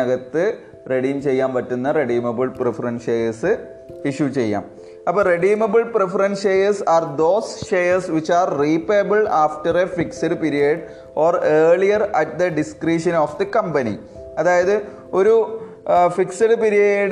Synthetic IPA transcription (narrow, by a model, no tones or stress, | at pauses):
ɐɣɐt̪ːɨ | reɽimt͡ɕe̞jːaːmʋɐtːunːɐreɖiːmɐbɨɭprefɐɾɐnʂeːjɐsɨ | iʂjut͡ɕe̞jːa̰ːm | ɐpːoːreɖiːmɐbɨɭprefɐɾɐnʂeːjɐsaːrd̪oːsʃeːjɐrsʋit͡ɕːaːrriːpːejbɨɭaːfʈɐrefiksɐɖpiɾijɐɖ | oːreːɭijɐrɐʈ̚d̪ɐɖiskriːʂɐnoːfd̪ɐkɐmpɐnḭ | ɐðaːjɐðɨ | o̞ɾu | fiksɐɽɨpiɾijɐɖ